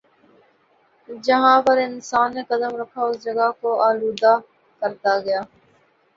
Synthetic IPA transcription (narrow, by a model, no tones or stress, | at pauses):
d͡ʒəɦãːpəɾɪnsaːnːeːkəd̪əmɾəkʰaːʊsd͡ʒəɡaːkoʔaːluːd̪aː | kəɾt̪aɡɐjaː